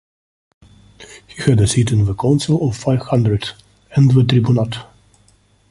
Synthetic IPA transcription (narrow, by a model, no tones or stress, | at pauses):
hihɨdɨsitɨ̃nvəkʰãʊ̃nsəl̩ˠɔv̥faɪv̥hʌ̃ndɹəd | ɛ̃nðət̪ʰɹibjunat